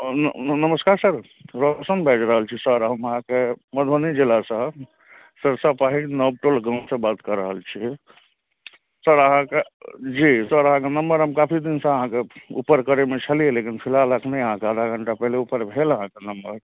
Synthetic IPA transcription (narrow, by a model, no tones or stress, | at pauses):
nəməskaɾsəɾ | ɾosənbʱed͡ʒɾəɦəlt͡ʃʰisəɾɦəməɦãkeməd̪ʱonid͡ʒilasə̃ | səɾsəpaɦinəb̚ʈolɡə̃nsẽbat̪kəɾəɦəlt͡ʃʰi | səɾəɦãked͡ʒisəɾəɦãkenəmbəɾɦəmkapʰid̪insə̃əɦãkeṵpəɾkəɾemet͡ʃʰəlijelekinpʰilaləkʰnəjəɦãkeəd̪ʱaɡʱəɳʈapɛɦleupəɾbʱeləɦãkenəmbəɾ